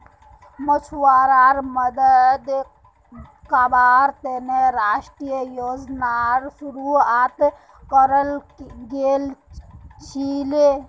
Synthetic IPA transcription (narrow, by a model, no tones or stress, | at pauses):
mət͡ʃʰuwaːɾaːɾməd̪əd̪ | kabaːɾt̪eneɾaːʃʈɾijəjoːd͡ʒnaɾsuɾuaːt̪ | kəɾəl | ɡel | t͡ʃʰile